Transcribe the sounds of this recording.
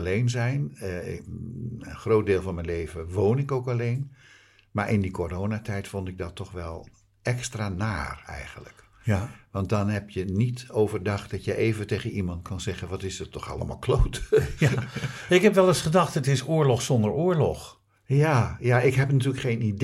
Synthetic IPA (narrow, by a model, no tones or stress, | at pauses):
lejnzɛjn | ənχrowt̚deːlˠvɑnmɛnlejvəʋoːwnɪkowkalejn | maːɹʔɪndikʰorownatʰɛjtfɔntɪk̚dɑtːɔχʋɛlˠ | ʔɛkstraːnaːrɛ̰jχənlə̰k | ʋɑnt̚dɑnɦɛpjənitowvərdɑχt̚dɑtjəʔejvənteːɣənimɑntkʰɑnzɛχənʋɑtɪsətʰːɔχɑ̰ləma̰lˠkʰlowt | ɪkɦɛpʋɛlˠəsχədɑχtətɪsʊːɹlɔχsɔndəɹoːɹlɔx | jajaɪkɦɛpnatyːləkχejnid